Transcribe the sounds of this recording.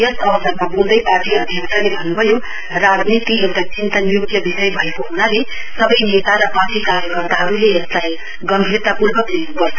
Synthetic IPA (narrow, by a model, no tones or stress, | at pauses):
ʌsʌbʌsʌɾmabuld̪ʌjparʈiʌd̪ʱjʌksʰʌlebʱʌnːubʱʌjo | rad͡znit̪ijet̪at͡sint̪ʌnjuk̚t̪jʌbisʌjbʱʌekoɦunale | sʌbʌjnet̪aɾʌpaʈikaɾjʌkʌrt̪aɦʌɾuleeslaj | ɡʌmbʱirt̪apurbʱʌkd̪enukʌrt̪ʰo